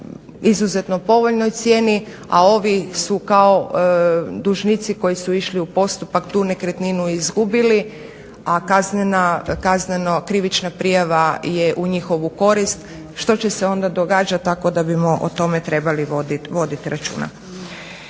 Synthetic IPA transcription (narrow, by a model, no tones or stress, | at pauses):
izuze̞t̪nopo̞ʋoʎno̞jt̪sjeːni | a̰o̞ʋisukao | d̪uʒnit̪siko̞jisuiʃliupo̞st̪upakt̪uːne̞kɾet̪ninuizɡubili | akaznenakaznenokɾiʋit͡ʃnapɾijaʋaje̞ʔuɲixo̞ʋuko̞ɾist̪ | ʃt̪o̞t͡ɕe̞seo̞nd̪ad̪o̞ɡaːd͡ʒat̪̚t̪ːako̞d̪abimo̞ʔo̰t̪o̞me̞t̪ɾe̞baliʋod̪iʋo̞d̪it̪iɾat͡ʃṵːna̰